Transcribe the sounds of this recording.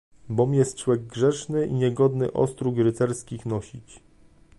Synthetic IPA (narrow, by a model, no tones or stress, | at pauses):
bɔmjɛst̪t͡ʂwɛɡ̚ɡʐɛʂnɘʔiɲɛɡɔd̪nɘ̰ʔɔ̰st̪ɾuɡɾɘt̪sɛɾskʲixnɔɕit͡ɕ